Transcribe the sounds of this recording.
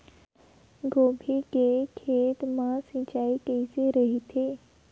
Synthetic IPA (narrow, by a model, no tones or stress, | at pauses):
ɡobʱikekʰet̪masĩt͡ɕaikəjseɾəɦit̪ʰe